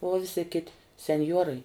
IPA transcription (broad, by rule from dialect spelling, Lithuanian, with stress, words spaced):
uɔ ˈʋʲɪsʲɪ ˈkʲɪtʲɪ sʲɛnʲˈjuɔrɐɪ